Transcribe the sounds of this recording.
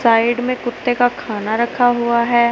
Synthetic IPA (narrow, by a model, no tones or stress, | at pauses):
saːɪɖmẽkʊt̪ːekakʰaːnaɾɐkʰaɦʊaɦɛː